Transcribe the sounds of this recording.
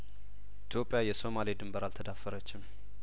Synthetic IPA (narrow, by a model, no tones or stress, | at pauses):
ʔʔit̪ʰjo̞pʼːjajɛso̞malid̪ɨmbəɾalt̪ʰəd̪afːəɾət͡ʃːɪm